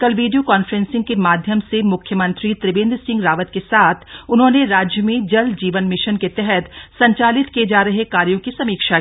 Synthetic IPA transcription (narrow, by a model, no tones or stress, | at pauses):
kɐlʋiːɖijokaːnfɾɛ̃nsɪ̃ŋɡkemaːd̪ʱjəmsemʊkʰjəmə̃nt̪ɾit̪ɾɪbẽːnd̪ɾsɪ̃ŋɡɾaːʋət̪kesaːt̪ʰʊnɦõːneɾaːd͡ʒjəmẽd͡ʒɐld͡ʒiːʋənmɪʃənket̪ɛɦɛt̪sɐ̃ɲt͡ʃaːlɪt̪kied͡ʒaːɾɐɦekaːɾjõkisɐmiːkʃa